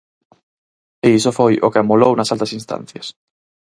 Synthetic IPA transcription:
eisofojʔo̰keamolownɐsalt̪ɐsinst̪ã̰n̟θjɐs

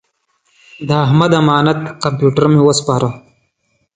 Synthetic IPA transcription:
d̪aːɦmɐd̪ɐmaːnɐt̪kɐmpjuːʈɐɾmewəspaːɾa

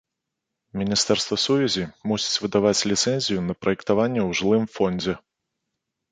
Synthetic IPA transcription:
mʲinʲist̪ɛrst̪vɐsuvʲɛzʲimusʲi̥t͡sʲvɨd̪avat͡sʲlʲit̪sɛnʲzʲijunɐpɾɐjɛkt̪avanʲːɛwʐɨlˠɨmfɔnʲd͡zʲɛ

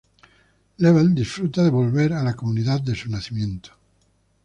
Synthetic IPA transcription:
leβeld̪isfɾut̪aðeβo̞lβeɾalakomuniðat̪̚d̪esunaθimjẽnt̪o̥

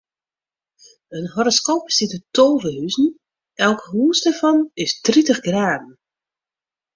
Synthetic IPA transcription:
ənɦoɾəskoːpsitətoːvəhyzn̩ | ʔɛlˠkɦuːsdarfɔnɪstritəxɡraːdn̩

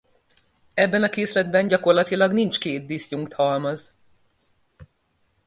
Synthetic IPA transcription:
ɛbːɛnɒkeːslɛd̪bɛnɟɒko̞rlɒt̪ilɒɡnint͡ʃkeːt̪̚d̪isjuŋkt̪hɒlmɒz

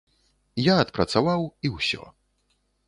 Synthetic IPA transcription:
jaːt̪pɾɐt̪savawiwsʲɔ̰

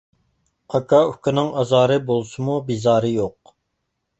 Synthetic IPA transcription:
ɑkʰɑykʲɪnɨŋɑzɑːɾɨbolˠsɨmubizɑːɾɨjoq

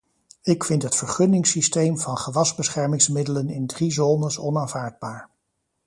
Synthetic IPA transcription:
ɪkfɪntɦətfəɹχɵnɪŋsistejmvɑnχəʋɑzbəsχɛɹmɪŋsmɪdələnɪndrizoːnəsɔnaːnvaːɹd̚baːɹ

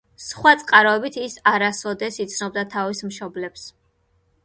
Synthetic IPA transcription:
sχwat̪sʼqʼaɾɔɛbit̪ʰisaɾasɔd̪ɛsit̪sʰnɔb̚d̪at̪ʰavismʃɔblɛps

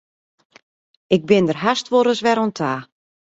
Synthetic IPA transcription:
ɪɡ̚bɪndərɦastʋoɾəsʋɛɾontʰaː

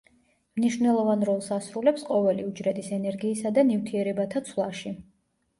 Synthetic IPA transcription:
mniʃvnɛlˠɔvanɾɔlˠsasɾulɛpsqʼɔvɛliud͡ʒɾɛd̪isɛnɛɾɡiːsad̪anift̪ʰiɛɾɛbat̪ʰat̪sʰvlˠaʃi

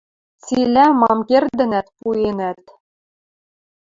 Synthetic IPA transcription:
t͡silæmɑmkerd̪ɘ̆næt̪puenæt̪

